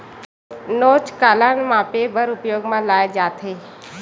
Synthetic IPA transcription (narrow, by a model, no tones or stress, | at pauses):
noːt͡ʃkaːlaːnmãpebəɾʊpjoːɡmãːlaːed͡ʒaːt̪ʰeː